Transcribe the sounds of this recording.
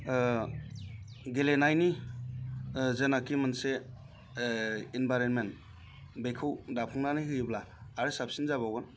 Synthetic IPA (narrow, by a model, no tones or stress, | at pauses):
ɡelenajni | zenakimanse | inbajɾenmen | bejkʰɯwdapʰɔŋnanɯjɦɯjblaː | ɾɯsapsinzaβawɯn